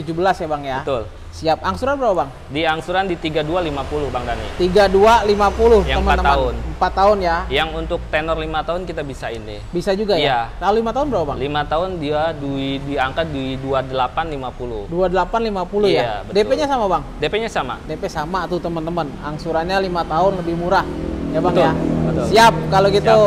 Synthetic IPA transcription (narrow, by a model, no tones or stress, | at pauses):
t̪ud͡ʒubəlasjabaŋjaət̪ʊl | siap̚aŋsuɾanbəɾapabaŋ | diaŋsuɾandit̪iɡadualimapulʊhbaŋdanḭt̪iɡadualimapulʊhjaŋəməat̪əaməʊnəmpat̪ːaʊnjajaŋunt̪ʊk̚t̪enɔrlimat̪aʊnkit̪abisaɪndɪ̰bisad͡ʒuɡajaalalulimat̪aɦʊnbəɾapaba̰ŋlimat̪aʊndiaduiduiiaŋkat̪̚duiduadəlapanlimapulʊduadəlapanlimapulujaabədepɛʔɲasamabaŋdepɛɲasama̰depɛsamat̪ut̪əmənt̪əmənaŋsuɾaɲalimat̪aʊnləbɪhmuɾahjabaŋabət̪siap̚kaloɡit̪u